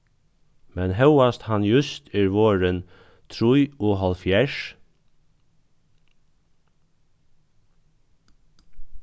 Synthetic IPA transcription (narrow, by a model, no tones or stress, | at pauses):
mɛnɦœwast̪hɑnjʉst̪ʰɛːɹʋoːɹən | t̪ʰɾujoːɦɑlfjɛʃ